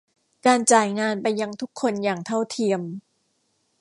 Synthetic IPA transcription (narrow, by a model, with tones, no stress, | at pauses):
kaː˧nt͡ɕaː˨˩jŋaː˧npa˧jːa˧ŋt̪ʰu˦˥kʰːo˧njaː˨˩ŋt̪ʰa˥˩wt̪ʰi˧əm